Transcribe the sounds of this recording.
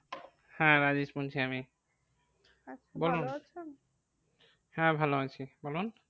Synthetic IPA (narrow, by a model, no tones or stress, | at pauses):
hãɹazispunt͡ʃʰiami | bolun | hãbʱaloat͡ʃʰibolun